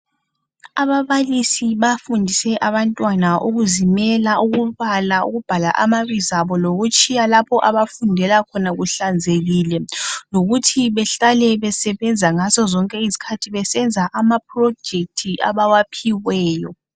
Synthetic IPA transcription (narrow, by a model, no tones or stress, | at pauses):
aβaβalisiβafundʱisɛʔaβantʼwanaʔuɣuzimɛlaʔuɣuβalauɣub̥ʱala̰ʔa̰maβizaβɔloɣut͡ʃʼijalapʰɔʔaβafundʱɛlakʰɔnaɣuɬand͡zʱeɣilɛloɣutʰiβɛɬalɛβɛsɛβɛnd͡zʱaŋazɔzɔŋkʼɛizi̥kʰatʰiβɛsɛnd͡zʱaʔamap̚ʼrɔ̥d͡ʒ̥ʱek̚tʰiʔa̰βawapʰiwɛːjɔ